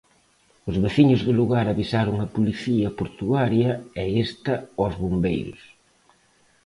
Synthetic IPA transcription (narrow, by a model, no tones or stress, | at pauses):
ʊzβeθiɲʊzðɪluɣaɾɐβisaɾʊŋɐpuliθiɐpoɾt̪uɣaɾjɐɛest̪ɐɔzβombejɾʊ̰s